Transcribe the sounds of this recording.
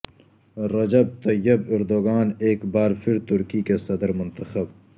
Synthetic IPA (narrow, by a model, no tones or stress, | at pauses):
ɾɐd͡ʒɐb̚t̪ɐjːɐbɪɾd̪oːɡaːneːkbaːɾfʰɪɾt̪ʊɾkikesɐd̪əɾmʊnt̪ɐxɐb